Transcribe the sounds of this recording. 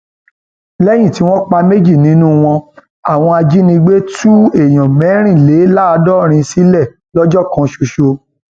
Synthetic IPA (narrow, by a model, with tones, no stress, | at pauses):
lɛ˦j̃ĩ˦˨ti˨˦w̃ɔ̃˦k͡pa˧me˦d͡ʒi˦˨nĩ˨˦nũ˦w̃ɔ̃˧ | a˦˨w̃ɔ̃˧a˧d͡ʒi˦nĩ˧ɡ͡be˦tu˦e˨j̃ɔ̃˨mɛ̃˨˦ɾ̃ĩ˦˨le˨˦la˦˧dɔ˦ɾ̃ĩ˧si˦lɛ˦˨ | lɔ˦d͡ʒɔ˦˨kã˧ʃo˧ʃo˧